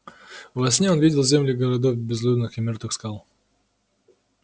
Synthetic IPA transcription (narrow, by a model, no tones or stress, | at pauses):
vvɐsʲnʲeo̞nvʲidʲɪlˠzʲemlʲɪɡəɾɐd̪ofbʲɪzlʲub̪nɨxɪmʲort̪vɨxskalˠ